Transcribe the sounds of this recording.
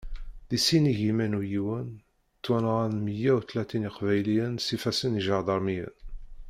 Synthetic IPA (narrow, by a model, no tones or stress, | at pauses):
ðisiniʝimænujiwən | t̪ːwænʁænməjːæwθlæt̪iniqvæjlijənsifæsəniʒəɾd̪ˤɑɾˤmijə̰n